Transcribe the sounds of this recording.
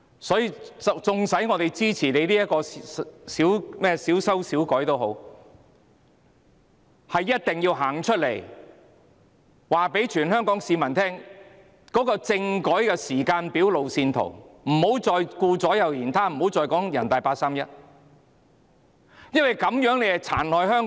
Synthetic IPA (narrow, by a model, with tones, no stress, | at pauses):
sɔː˨˥jiː˨˧t͡sʊ˨ŋsɐ˨˥jŋɔː˨˧t̪e˨jt͡siː˥t͡sʰiː˨˩ne˨˧jliː˥jɐ˥t̚kɔː˧siː˨˥wmɛː˥siː˨˥wsɐ˥wsiː˨˥wkɔː˨˥jt̪o˥wɦo˨˥w | hɐ˨jːɐ˥t̚t̪ɪ˨ŋjiː˧wɦaː˨˩ŋt͡ʃʰɵ˥t̚le˨˩j | waː˨˩pe˨˥jt͡ʃʰyː˨˩nhœː˥ŋkɔː˨˥ŋsiː˨˧mɐ˨˩nt̪ʰɛː˥ŋ | kɔː˨˥kɔː˧t͡sɪ˧ŋkɔː˨˥jkɛː˧siː˨˩kaː˧npiː˨˥wlo˨wsiː˧nt̪ʰo̰˨˩wm̩˨˩ho˨˥wt͡sɔː˨jkuː˧t͡sɔː˨˥jɐ˨wjiː˨˩nt̪ʰaː˥m̩˨˩ho˨˥wt͡sɔː˧jkɔː˨˥ŋjɐ˨˩nt̪a˨jpaː˧t̚saː˥mjɐ˥t̚ | jɐ˥nwɐ˨jkɐ˨˥mjœː˨˥ŋle˨˧˨t͡sʰa̰ː˨˩nlɔː˨jhœː˥ŋ